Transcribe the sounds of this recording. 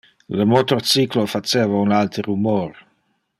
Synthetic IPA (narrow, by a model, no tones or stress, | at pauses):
ləmot̪ort͡siklofat͡ʃeːvaunalt̪əɾumoɾ